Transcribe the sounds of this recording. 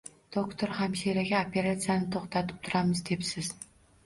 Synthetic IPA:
d̪̥okt̪ʰoɾhamʃeɾaɡʲaopʰe̞ɾat̪sijanɪt̪ʰoχt̪ʰat̪ʰɪ̥p̚t̪ʰʊɾamɪzd̪e̞psɪz̥

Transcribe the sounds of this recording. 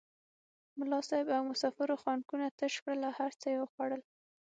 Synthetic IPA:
mʊlɑsɑjɪbawmʊsɑfɪɾoxwɑnkunat̪əʃpɽəlahaɾt͡səjewəxwɑɽəl

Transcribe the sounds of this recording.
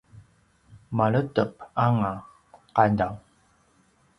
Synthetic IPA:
maɭətəp̚aŋa | qandaw

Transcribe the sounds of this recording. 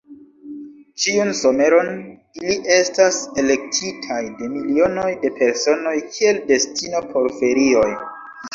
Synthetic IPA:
t͡ʃiunso̞me̞ɾo̞n | iliʔe̞stase̞le̞k̚tʰitʰajde̞milio̞no̞jde̞pe̞ɾso̞no̞jkʰie̞lde̞stino̞pʰo̞ɾfe̞ɾio̞j

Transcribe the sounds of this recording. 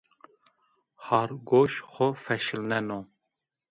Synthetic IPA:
hɑɾɡoʃxɔfɛʃɨlnɛno

